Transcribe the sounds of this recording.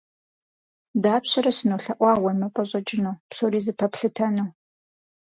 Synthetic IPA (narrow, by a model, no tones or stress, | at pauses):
daːpɕɐɾɐsɨnoːɬɐʔʷɑːwɐmɨpʼɐɕʼɐt͡ʃʼɪnuwpsoːɾiːzɨpʰɐpɬɨtʰɐnuw